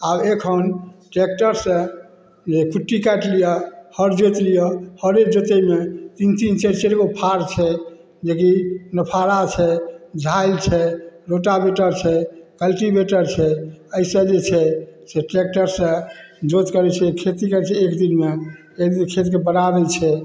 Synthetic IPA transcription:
abekʰənʈek̚ʈəɾsə̃ | d͡ʒekʰuʈːikɛʈlijɔhəɾd͡ʒot̪lijɔhəɾek̚d͡ʒot̪emet̪int̪int͡ʃeɾt͡ʃeɾɡopʰaɾt͡ʃʰɛ | d͡ʒekinəpʰaɾat͡ʃʰɛd͡ʒʱailt͡ʃʰɛɾoʈabeʈəɾt͡ʃʰɛkəlʈibeʈəɾt͡ʃʰɛəɪsə̃d͡ʒet͡ʃʰɛseʈek̚ʈəɾsə̃d͡ʒot̪kəɾɛt͡ʃʰɛkʰet̪ikət͡ʃʰɛekd̪inme | ekd̪inkʰet̪kebənabelt͡ʃʰɛ

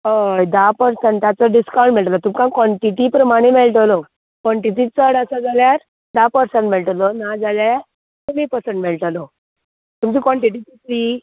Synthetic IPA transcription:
əjd̪apəɾsəɳʈt̪jat͡sɔɖiskaw̃ɳʈmeɭʈəlat̪umkãkɔɳʈiʈipɾəmaɽ̃emeɭʈəlo | kʋɔɳʈitit͡səɽəsad͡zaljaɾ | d̪apəɾsəɳʈmeɭʈəlɔnad͡zalajaɾ | t̪umipəɾsəɳʈmeɭʈəlɔ | t̪umt͡ɕiːkɔɳʈiʈ̬it̪it̪ʰɾi

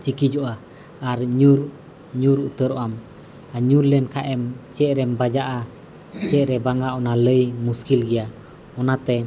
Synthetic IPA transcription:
t͡ʃikid͡ʒɔʔaː | ɾɲuɾ | ɲuɾut̪əɾɔʔam | aɲuɾlɛnkʰaʔɛmt͡ʃɛʔ̚ɾɛmbad͡ʒaʔa | t͡ʃɛʔɾɛbaŋaʔɔnaləjmuskilɡɛja | ɔnat̪ɛ

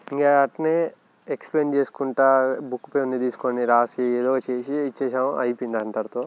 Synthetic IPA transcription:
iŋɡaaʈne | ekspleːnt͡ʃeːsu̥kuɳʈaːbukːu̥peunːid̪iːsu̥koniɾaːsieːd̪ɔːɡat͡ʃeːsit͡ʃːeːʃaːmʔɐ̰jipind̪ɐnt̪ɐɾt̪oː

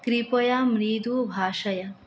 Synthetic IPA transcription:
kɾipɐjamɾid̪ubʱaːʃɐjɐ

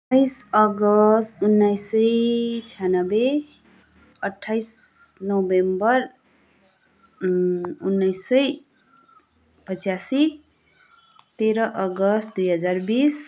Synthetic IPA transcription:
tʌjsʌɡʌst̪unːajsʌjt͡sʰijanʌbe | ʌʈʰːajs | nobembʌr | unːʌjsːʌj | pʌt͡sasi | t̪eɾʌʔʌɡʌst̪̚d̪ujɦʌd͡zarbis

